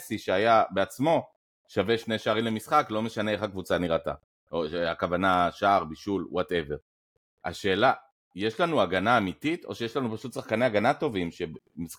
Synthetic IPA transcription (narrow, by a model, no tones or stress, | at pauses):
siʃeajabeat͡smo̞ | ʃaveʃne̞ʃaːʁimlemisχaklo̞me̞ʃaneeχhakvut͡saniʁat̪a̰ | oakavanaʃaʁbiʃulwote̞ve̞ʁ | a̰ʃe̞ːla | jeʃlanuaɡanaːmitito̞ʃejeʃlanupaʃut̪saχkaneaɡanato̞vimʃe̞bmis